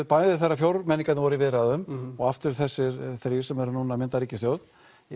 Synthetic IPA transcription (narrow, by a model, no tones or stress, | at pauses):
ðpajðɪθarːafjowɾmɛnːiŋkat̪nvɔːɾɪvɪðɾaðʏmɔɣaft̪ʏɾ̥θɛsːɪɾθɾi̥sɛmɛɾʏnuːnamɪnt̪aɾiːcɪst̪jowt̪n